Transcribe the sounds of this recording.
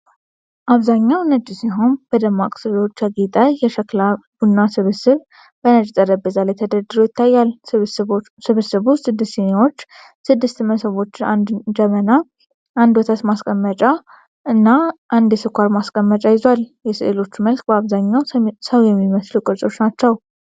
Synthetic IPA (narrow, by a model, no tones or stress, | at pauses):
ʔaβzaɲːawnəd͡ʒʼsiɦo̞nb̥əd̪əmːakʼsɨlo̞t͡ʃːaɡit̪ʼajɛʃklab̥unːasɨβsɨβ | bənəd͡ʒʼt̪ʼəɾəbːəzalɛt̪ʰəd̪əd̪ɨɾojɪt̪ʰːajːal | sɨβɨsɨβusɨd̪ːɨst̪enawo̞t͡ʃː | sɨd̪ːɨst̪məsəβo̞t͡ʃːɪnand̪d͡ʒɛməna | and̪wɔt̪ʰat̪maskʼəmːət͡ʃʼa | ʔɨnːaʔand̪jɛsɨkʷʰaɾmaskʼəmːət͡ʃʼajɪzowaljɛsʔelo̞t͡ʃːməlkʼbəaβzaɲːawsəwjɛmːiməslukʼɨɾsʼo̞t͡ʃːnat͡ʃːɛw